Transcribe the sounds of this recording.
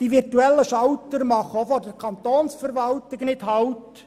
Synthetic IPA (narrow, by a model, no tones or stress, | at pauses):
d̥iʋɪrtuɛlːəʃɑwtəɾmɑχofodəkʰɑnt̪oːnsfəɾʋɑltɪɡnɪthɑwt